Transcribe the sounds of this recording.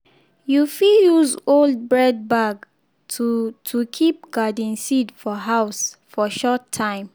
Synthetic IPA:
jufijuzold̚bɹɛd̚baɡ | tʰutʰukʰip̚ɡadĩnsidfɔɦaʊsfɔʃɔtʰːãɪ̃m

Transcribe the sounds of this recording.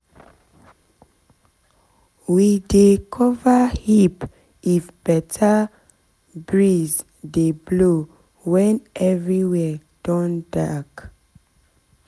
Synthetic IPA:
widekʰɔvahip | ifb̥ɛtʰa | bɹiz | deblo | wɛ̃nʔɛvɹiwɛ | d̥ɔ̃ndak

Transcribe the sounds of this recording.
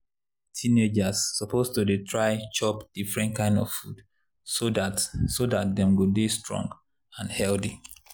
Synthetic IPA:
tʰĩned͡ʒasːɔpʰostudetʰɹaɪt͡ʃɔpd̥ifɹɛ̃ntkãɪ̃ndɔ̰v̥fud̥ | soasodat̚dɛ̃mɡodestʰɹɔ̰̃ŋɡ | ãnhɛlθi

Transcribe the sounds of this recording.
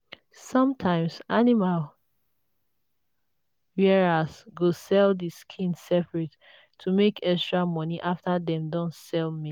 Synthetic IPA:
sɔ̃mtʰãɪ̃msanimal | wɛɹasɡosɛldiskʰĩnsɛpɹɛtʰː | umekʰɛkstɹamɔ̃niʔaftadɛ̃mdɔ̃nsɛlmi

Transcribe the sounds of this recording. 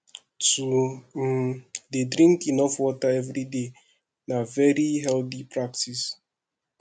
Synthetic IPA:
tu | dedɾĩŋkinɔfɔtaɛvɾide | navɛɾiɦɛlθipɾaktis

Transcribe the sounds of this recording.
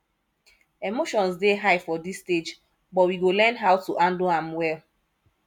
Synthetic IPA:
emoʃɔ̃nsdeɦaɪfɔdisted͡ʒ | bɔtwiɡolɛ̃nɦaʊtuʔãndoãmwɛl

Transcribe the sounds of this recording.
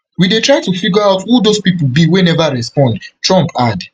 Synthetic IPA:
widetɹaɪtufiɡɔaʊtwudospipl̩biwenɛvaɹɛspɔ̃ndtɹɔ̃mpʰad

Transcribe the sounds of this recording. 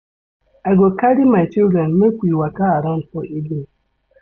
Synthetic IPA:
aɡokaɾimajt͡ʃiɾanmekʷiwakaaɾan̩tɔʔedi

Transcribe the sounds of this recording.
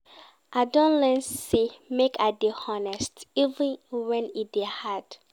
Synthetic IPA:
ʔadɔ̃nlɛ̃nsimekadehɔnɛstivə̃nwɛ̃nidehad̥

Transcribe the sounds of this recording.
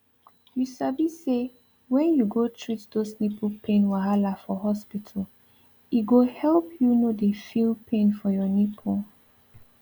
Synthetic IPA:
jusabise | wɛ̃njuɡotʰɹitdosnepʰupʰẽnwaɦalafɔɦɔspitʰəl | iɡohɛlpʰjunodefilpʰẽnfɔjɔnipʰu

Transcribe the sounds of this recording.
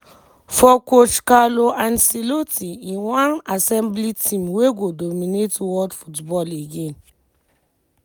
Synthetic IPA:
fɔkot͡ʃkaloʔãnsilotiĩwãnasɛ̃mblitʰĩmweɡodomĩnetwɔdfutbɔleɡẽn

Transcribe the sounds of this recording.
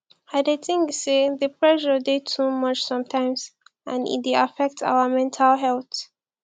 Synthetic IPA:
aɪdetɪ̃ŋkseðəpʰɹɛʒədetʰumʌt͡ʃsʌ̃mtʰãɪ̃mzãnḭt̚deafɛk̚ta̰wəmɛ̃ntʰalɦɛlt

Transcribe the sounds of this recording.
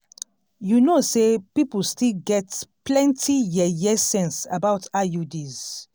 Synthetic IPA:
junosepipəlstilɡɛtplɛ̃ntʰijɛjɛsɛ̃nsa̰baʊtʰajudiz̥

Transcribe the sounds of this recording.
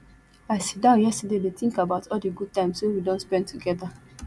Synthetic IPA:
aɪsi̥t̚dãʊ̃njɛstadedetĩŋkabaʊtɔldiɡud̚tãɪ̃mswewidõntspɛ̃ndtuɡɛda

